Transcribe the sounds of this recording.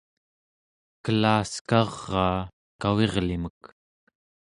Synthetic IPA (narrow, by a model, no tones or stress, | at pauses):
kəlaːskɑʁːɑː | kawe̞ʁlimək